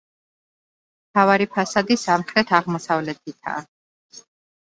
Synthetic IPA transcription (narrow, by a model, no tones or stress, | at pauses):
mt̪ʰavaɾipʰasad̪isamχɾɛt̪ʰaʁmɔsavlɛt̪ʰit̪ʰa̰ː